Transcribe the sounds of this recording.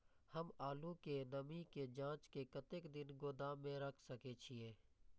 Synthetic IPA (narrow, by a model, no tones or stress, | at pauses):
həmaːlũkenəmiked͡ʒãːt͡ʃkekət̪eːkd̪ɪnɡoːd̪aːmːẽɾəkʰsəket͡ʃʰɪeː